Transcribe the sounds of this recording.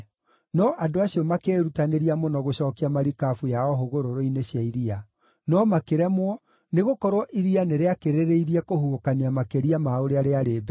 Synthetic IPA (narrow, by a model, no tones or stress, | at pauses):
nɔʔadoaɕiɔmakeːɾutaneɾiamonɔɣoɕɔːkiamaɾikafujaɔɦoɣoɾoɾoineɕjaiɾia | nɔmakeɾɛmwɔ | neɣokɔɾwɔʔiɾianeɾeakeɾeɾeiɾiɛkohuokaniamakeɾiamaoɾeaɾeaɾeːbɛ